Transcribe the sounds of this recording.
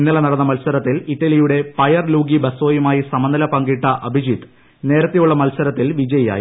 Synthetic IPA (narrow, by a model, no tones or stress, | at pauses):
nːɐɭɐnɐɽɐnːɐmɐlsɐɾɐt̪ːiliʈːɐlijuɽe̞pɐjɐrluːɡibɐso̞ːjumaːjisɐmɐnd̪ɐlɐpɐŋɡiʈːɐʔɐbʱid͡ʑit̪ː | ne̞ːɾɐt̪ːijuɭːɐmɐlsɐɾɐt̪ːilʋid͡ʑɐjɐja̰ːji